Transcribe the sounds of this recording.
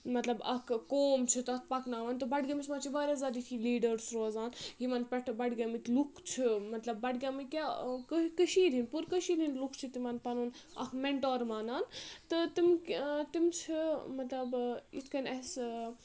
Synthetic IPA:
mɐt̪lɐbɐ̰kʰkoːmt͡ʃʰit̪ɐk̚ʰpɐknaːʋɐnt̪ɨbɐɖɡʲɐmismaːt͡ʃʰibaːɾʲaːzad̪it̪ʰiliːɖəɾsɾoːzaːnjimɐnpɐʈʰbɐɖɡʲɐmit̪lukʰt͡ʃʰimɐt̪lɐbːɐʈɡʲɐmɨkʲakəkəʃiːɾinpuɾkəʃiːd̪inlukʰt͡ʃʰit̪imɐnpɐnun | ɐ̰kʰmeɳʈoːɾmaːnaːnt̪ɨt̪imt̪imt͡ʃʰimɐt̪lɐbḭt̪ʰkɐnʲɐs

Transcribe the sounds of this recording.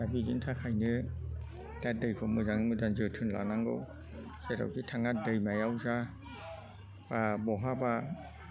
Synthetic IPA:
abiɡintʰakʰajnɯ | dat̚dɯjkʰɔmɯzaŋɯmɯzanzɯtʰɯnla̰naŋɡɯ̰w | z̥eɾa̰wkʰitʰaŋat̚dɯjmajawza | b̥abɔɦaba

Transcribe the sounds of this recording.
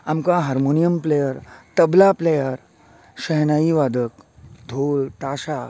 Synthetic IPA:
amkaɦaɾmoːnijəmplejəɾt̪ɐblaplejəɾ | ʃəɦnaːiʋaːd̪əkd̪ʱoːlt̪aːʃa

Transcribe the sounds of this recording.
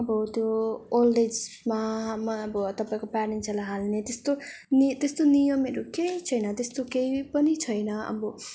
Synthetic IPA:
ʌbʌt̪joolːed͡zmamʌbʌt̪ʌpaĩkopanenselaɦalnet̪est̪onit̪est̪onijʌmeɾokeit͡sʰʌjnʌt̪est̪okeipʌnit͡sʰʌjnʌʌ̰bʌ

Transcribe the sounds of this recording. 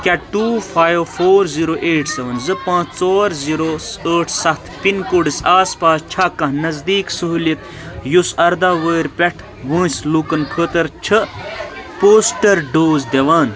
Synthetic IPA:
kʲaʈuːfʰaːjʋfoːɾziɾoːʔeːʈʰseʋɐnzɨpãːt͡sʰt͡soːɾziɾoəːʈʰsɐt̪ʰpinkoɖisaːspaːst͡ʃʰakːɐ̃ɦnɐzd̪iːksuɦulit̪ | jusɐɾd̪aːʋəːɾpʲeʈʰ | ʋə̃ːslukɐnkʰəːt̪ɐɾt͡ʃʰə | poːsʈɐɾɖoːzd̪eʋaːn

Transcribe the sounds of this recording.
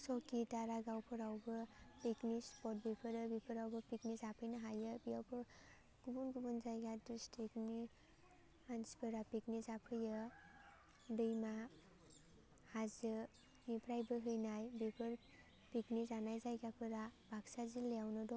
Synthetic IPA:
sɔkitaɾaɡawpʰɯɾawbɯpiknispɔt̚bepʰɯɾɯbipʰɯɾawbɯpiknizapʰɯjnaɦajɯbijawpʰɯ | ɡ̥ubɔnɡubɔnzajɡadɾistʰikni | anspʰɯɾapiknizapʰɯjɯ | dɯjma | hazɯ | nipʰɾajbɯɦɯjnajbepʰɯɾ | piknizanajzajɡapʰɯɾab̥aksazilːejawnɯdɔ

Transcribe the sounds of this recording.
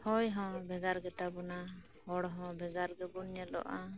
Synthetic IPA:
hɔjɦɔ̃bɛɡaɾɡɛt̪abɔna | hɔɽɦɔ̃bɛɡaɾɡɛbunɲɛlɔ̰ʔa

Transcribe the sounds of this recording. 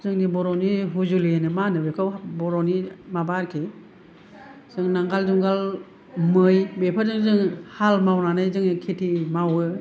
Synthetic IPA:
zɯŋnibɔɾɔniɦuzulienɯmanɯbekʰawbɔɾɔnimabaɾkʰe | z̥ɯŋnaŋɡalzuŋɡal | mɯjbepʰazɯŋzɯŋhalmawnanajzɯŋnikʰetʰimawɯ

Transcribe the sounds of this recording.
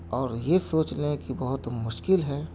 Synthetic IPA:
ɔːɾjesoːt͡ʃlẽkibɐɦʊt̪mʊʃkɪlɦɛː

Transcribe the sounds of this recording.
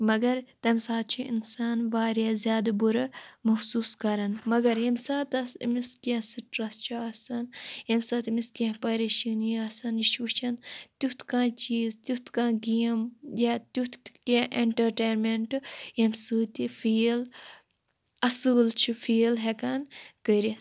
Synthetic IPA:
mɐɡɐɾt̪ɐmsaːt̪̚t͡ʃʰuḭnsaːnʋaːɾjaːzʲjaːd̪ɐbuɾɐmɐxsuːskɐɾɐnmɐɡɐɾjɐmsaːt̪ɐsmiskãsiʈɾɐst͡ʃʰuɐːsɐnjɐmsaːt̪miskʲãːpɐɾeʃinijɐːsɐniʃut͡ʃʰɐnt̪ut̪ʰkãːt͡ʃiːzt̪ut̪kãːɡijɐmjaːt̪ʲut̪ʰkẽʔeɳʈɐɾʈeːnmeɳʈjemsɨːt̪ifiːl | ɐsɨːlt͡ʃʰifʰiːlɦekɐnkəɾi

